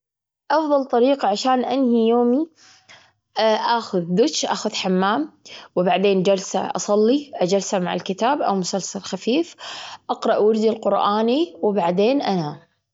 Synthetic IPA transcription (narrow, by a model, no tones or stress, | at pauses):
ʔɑfðˤɑlt̪ˤɑɾiːqɑʕaʃaːnʔanhijoːmi | ʔaːxʊðːʊt͡ʃʔaːxʊðħamːaːmwɪbaʕd̪eːnd͡ʒalsa̰ʔɑ̰sˤɑlːiʔad͡ʒalsamaʕa̰lkɪt̪aːbʔa̰wmʊsalsalxafiːfʔɑqɾˤɑʔwaɾd̪ilqʊɾʔaːniwɪbaʕd̪eːnʔana